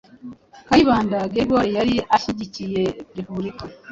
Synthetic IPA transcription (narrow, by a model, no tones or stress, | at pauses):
kaiβaːndaɡeɡoɾejaɾiʔaʃiɟicijepɾepuβɾika